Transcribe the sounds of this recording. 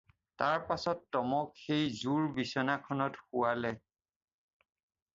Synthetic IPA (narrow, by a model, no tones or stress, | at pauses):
taɹpasɔtːɔmɔkxejzuɹbisɔnakʰɔnɔtxuwalɛ